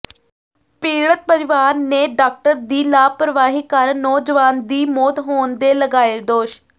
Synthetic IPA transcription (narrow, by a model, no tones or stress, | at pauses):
piːɽət̪̚pəɾɪʋaːɾneːɖaːk̚ʈəɾd̪iːlaːpɾəʋaːɦiːkəɾnɔːd͡ʒʋaːnd̪iːmoːt̪ɦoːnd̪eːləɡaːeːd̪oːʃ